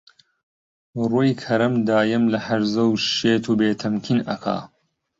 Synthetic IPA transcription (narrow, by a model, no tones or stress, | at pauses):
ruːjkʰɐɾɐmd̪aːjɐmlɐħɐɾzɐwʃeːt̪ʰuːbeːt̪ʰɐmkʰinɐ̰kʰa̰ː